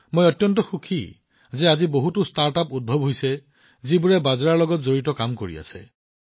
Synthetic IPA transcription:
mojɔtjɔnt̬ɔxukʰi | zɛaziboɦutʊstaɹtapud̚bʱɔbɦojsɛ | zibuɹɛbazɹaɹlɔɡɔtzoɹitɔkamkoɹḭa̰sɛ̰

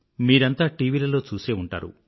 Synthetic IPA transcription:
miːɾɐnt̪aːʈiːʋiːlɐlo̞ːt͡ʃuːseːuɳʈa̰ːɾṵ

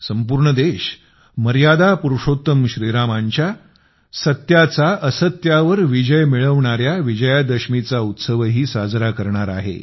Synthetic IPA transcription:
səmpuɾɳəd̪eɕ | məɾjad̪apuɾuʂot̪əmɕɾiɾamaɲt͡ɕja | sət̪jat͡saʔəsət̪jaʋəɾʋid͡ʑəjmiɭəʋɳaɾjaʋid͡ʑəjad̪əɕmit͡saut̪səʋɦiːsad͡zɾakəɾɳaɾa̰ɦḛ

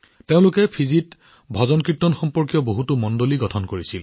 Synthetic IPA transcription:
teʊ̃lʊkɛpʰizit | bʱɔzɔnkɹitːɔnxɔmpɔɹkjɔboɦutumɔndoliɡɔtʰɔnkoɹisil

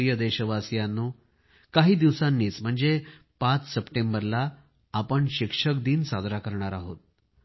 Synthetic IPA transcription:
jəd̪eɕəʋasjanːuː | kaɦiːd̪iʋsanːiːt͡sm̤əɳd͡ze | pat͡ssəpʈembəɾlaː | pəɳɕikʂəkd̪iːnsad̪ɾakəɾɳaɾaɦo̰t̪̚

